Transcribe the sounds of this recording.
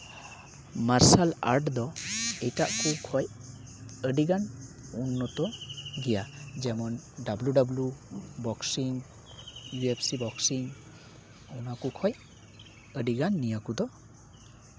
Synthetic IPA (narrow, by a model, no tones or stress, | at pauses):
maɾsala̰ɾʈdɔejtaʔkukʰɔj | ədiɡanunːɔtɔɡijazemɔndabludablubɔksiŋ | juepsibɔksiŋ | ɔwnakukʰɔj | ədiɡanːijakudɔ